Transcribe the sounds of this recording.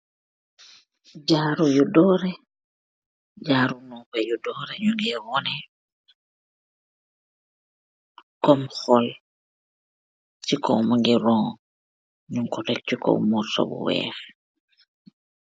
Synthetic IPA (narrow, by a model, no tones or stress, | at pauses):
ɟaːɾujudɔːɾɛ | d͡ʒaːɾunɔpɛjudɔɾɛɲuŋɡɛwɔnɛ | kɔmxɔl | t͡ʃikɔ̰maŋɡiɾɔŋ | ɲuŋkɔtɛk̚t͡ʃikɔ̰mɔsɔ̰bṵwɛ̰f